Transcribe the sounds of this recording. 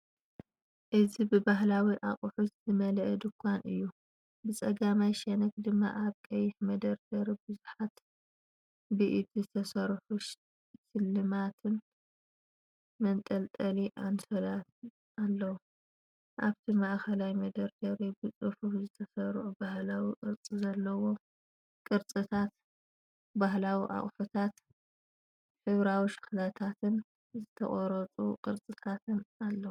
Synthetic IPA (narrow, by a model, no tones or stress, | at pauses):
ʔɨzibɨbaɦlawiʔaχʼuħuszɨmɐlɐʔɐd̪ɨkʷʰːanɨ̰jːu | bɨt͡sʼɐɡamajʃɐnɐkd̪ɨmːa̰ʔaβkʼɐjːɪħmɐd̪ɐɾd̪ɐɾibɨzuħat̪ | bɨʔit̪̚zɨt̪ʰɐsɐɾħuʃ | sɨlːɨmat̪ʰɨn | mɐnt̪ʼɐlt̪ʼɐliʔansʰɐlat̪ | ʔalːɐwu | ʔaβt̪ʰimaʔxɐlajmɐd̪ɐɾɡɐɾibɨt͡sʼɨħufzɨt̪ʰɐsɐɾʕubahlawiʔʼɨɾt͡sʼizɐlːɐwo̞ | kʼɨɾt͡sʼɨt̪ʰat̪ | baɦlawiʔa̰χʼħut̪ʰat̪ | ħɨβɾawiʃɨ̥xlat̪ʰat̪ʰɨn | zɨt̪ʰɐ̰χʼɔɾɐt͡sʼuqʼɨɾt͡sʼɨt̪ʰat̪ʰɨnalːɐwu